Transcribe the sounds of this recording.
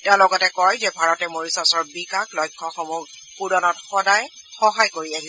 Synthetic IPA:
talɔɡɔtɛkɔjzɛbʱaɹɔtɛmoɹisasɔɹbikaklɔjkʰːɔxɔmu | pudɔnɔtxɔdaj | xɔɦajkoɹiaɦi

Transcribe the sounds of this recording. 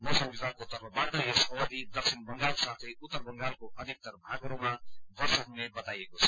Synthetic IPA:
mosəbizakot̪ʌɾʌbaɾd̪ajesʌwəd̪id̪ʌksinbʌŋɡalkosat̪ʰeut̪ːəɾbʌŋɡalkoʌd̪ʱik̚t̪ʌɾbʱaɡoɾomabʌɾsʌɦunebʌt̪ajekot͡sʰʌ̥

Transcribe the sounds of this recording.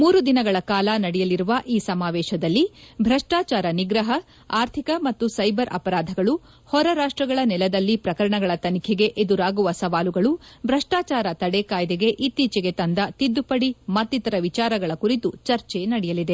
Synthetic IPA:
muːɾud̪inɐɡɐɭɐkaːlɐnɐɽɛjɐliɾuʋɐʔiːsɐmaːʋɛːʃɐd̪ɐlːibʱɾɐʂʈaːt͡ʃaːɾɐniɡɾɐɦɐ | aːɾt̪ʰikɐmɐt̪ːusɐjbɐɾɐ̰pɐɾaːd̪ʱɐɡɐɭu | hɔɾɐɾaːʂʈɾɐɡɐɭɐnɛlɐd̪ɐlːipɾɐkɐɾɐɳɐɡɐɭɐt̪ɐnikʰɛɡe̞ʔed̪uɾaːɡuʋɐsɐʋaːluɡɐɭubʱɾɐʂʈaːt͡ʃaːɾɐt̪ɐɽekaːjd̪eɡe̞ʔit̪ːiːt͡ʃɛɡe̞t̪ɐnd̪ɐt̪id̪ːupɐɽimɐt̪ːit̪ɐɾɐʋit͡ʃaːɾɐɡɐɭɐkuɾit̪ut͡ʃɐɾt͡ʃenɐɽɛjɐlid̪e̞

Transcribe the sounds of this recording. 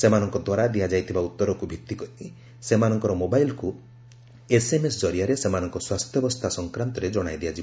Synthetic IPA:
semanɔŋkɔd̪waɾad̪ijad͡ʒajt̪ʰibaut̪ːɔɾɔkubʱikt̪ːikɔti | semanɔŋkɔɾɔmobajlku | esemesd͡ʒɔɾiaɾesemanɔŋkɔswast̪ʰjɔbɔst̪ʰasɔŋkɾant̪ɔɾed͡ʒɔɽ̃ajd̪iad͡ʒi

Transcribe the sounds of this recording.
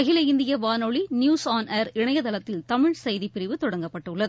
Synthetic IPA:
ɐɣɪlɐɪnd̪ɪjɐʋaːnoɭinjuːsaːnɐːɾɪɳɐjɐðɐlɐt̪ːɪlt̪ɐmɪɻsɐjðipɪɾɪʋɯt̪ɔɽɐŋɡɐpːɐʈːɯɭːɐðɯ

